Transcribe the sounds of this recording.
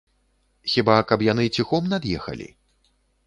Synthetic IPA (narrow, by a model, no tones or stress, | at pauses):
xʲibakɐpjanɨt͡sʲixɔmnad̪jɛxɐ̰lʲḭ